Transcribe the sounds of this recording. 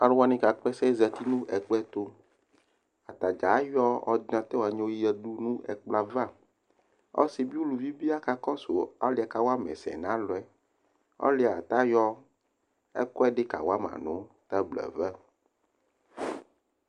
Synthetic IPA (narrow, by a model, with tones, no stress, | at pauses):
a˨ɖwa˦nĩ˦ka˨k͡pɛ˦sɛ˦zɛ˨t̪i˦nũ˦ʔɛ˨k͡pɛ˦t̪o˦ | a˨t̪a˨d͡ʒa˨˦jɔ˦ɔ̰˦d̪nã˨t̪ɛ˦wa˨ɲe˦wo˦ji˦jɛ˦ɖu˦nũ˦ɛ̰˨k͡pla˨va˦ | ɔ̰˦si˨bi˦o˦lu˨vi˦bi˦a˦ka˦kɔ˦so˨a˦li˦a˨ka˨wa˦mɛ̰̃˨sɛ̰˨nã˦lɔ˨ɛ˨ | ɔ̰˦le˨a̰˨t̪a˦jɔ˦ | ɛ̰˦kɔ˦ɛ˦ɖe˦ka̰˨wa˦mã̰˨nõ̰˨˦t̪ɛ˦blɛ̰˨vɛ˦